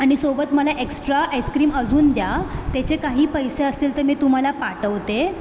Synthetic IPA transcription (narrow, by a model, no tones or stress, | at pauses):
aɽ̃isobət̪məlaʔeksʈɾaʔajskɾiːməd͡zuːnd̪jat̪at͡ɕekaɦiːpəjseəst̪iːlt̪əɾmiːt̪um̤alapaʈəʋt̪e